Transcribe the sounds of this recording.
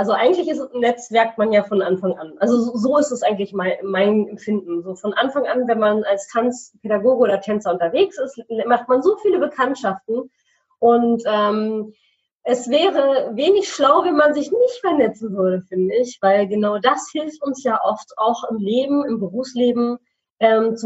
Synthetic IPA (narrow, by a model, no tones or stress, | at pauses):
ʔalzoʔaɪɡŋ̩tlɪçɪstsnːɛt͡sv̥ɛɐk̚tmanjaːfɔnʔanfaŋʔa̰nʔalzozzoːɪstɛsʔaɪɡŋ̩tlɪçmaɪmaɪnɛmfɪndn̩zoːfɔnʔanfaŋʔanvɛnmanalstʰant͡spʰeɾaɡoːɡəoːdɐtʰɛnt͡sɐʊntɐveːksɪstlmaχt̚manzoːfiːləbəkʰantʃaftn̩ | ʔʊntʔɛːm | ʔɛsv̥ɛːʁəveːnɪçʃlaʊvɛnmanzɪçnɪçtfɛɐnɛt͡sn̩vʏɐɾəfɪndəɪçv̥aɪlɡənaʊdashɪlftʊnsjaːʔɔftaʊxɪmleːbm̩ɪmbəʁuːfsleːbm̩ | ʔɛːmt͡su